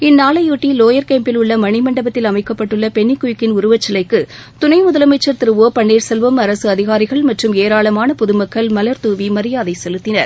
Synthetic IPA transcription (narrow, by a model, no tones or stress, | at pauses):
ɪnːaːlɐjuːʈːiloːjɐɾkɐːmpɪlʊɭːɐmɐɳɪmɐɳɖɐbɐt̪ːɪlɐmɐɪkːɐpːɐʈːɯɭːɐpɛɳːikːʊjʊkːɪnʊɾʊʋɐt͡ʃːɐlɐɪkːɯ | t̪ʊnɐɪmʊðɐlɐmɐɪt͡ʃːɐɾt̪ɪɾɯʋoːpɐɳːeːɾsɛlʋɯmɐɾɐsɯɐðɪɣaːɾɪɣɐɭmɐʈrɯmeːɾaːɭɐmaːnɐpʊðɯmɐkːɐɭmɐlɐɾt̪uːʋimɐɾɪjaːðɐɪsɛlɯt̪ːɪnɐɾ